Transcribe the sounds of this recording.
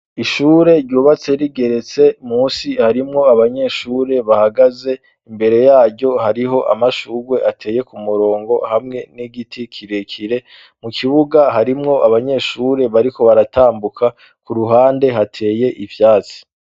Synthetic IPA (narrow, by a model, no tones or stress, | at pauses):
iʃuːɾe̞ɾɟuːβat͡se̞ɾiɡe̞ɾe̞t͡se̞muːsihaɾimŋo̞aβaɲe̞ʃuːɾe̞βahaɡaze̞ | imbe̞ɾe̞jaːɾɟo̞haɾiɦo̞ʔa̰maʃuːɾwe̞ʔatʰe̞ːje̞kumuɾo̞ːŋɡo̞hamŋe̞niɡitʰikʰiɾekʰiɾe̞ | mukʰiβuɡaɦaɾimŋo̞ʔaβaɲe̞ʃuɾe̞βaɾiko̞βaɾataːmbukʰa | kuɾuɦaːnde̞ɦatʰe̞ːje̞ʔivjaːt͡si̥